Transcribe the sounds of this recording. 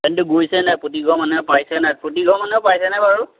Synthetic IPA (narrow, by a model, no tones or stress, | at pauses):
ɛndʊɡojsɛnaputiɡɔ̃manɛpajsɛnaput̬iɡɔ̃manɛpajsɛnajbaɹu